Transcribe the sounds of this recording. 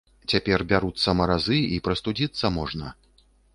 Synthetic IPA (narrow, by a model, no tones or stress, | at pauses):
t͡sʲapʲɛrbʲaɾut̪sːɐmɐɾazɨipɾɐst̪ud͡zʲit̪sːɐmɔʐnɐ